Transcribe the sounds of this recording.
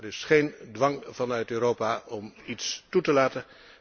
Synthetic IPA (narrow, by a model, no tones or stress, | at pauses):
ɾɪsχejndʋɑŋvɑnœɥtøːɾowpaʔɔmitstutəlaːtən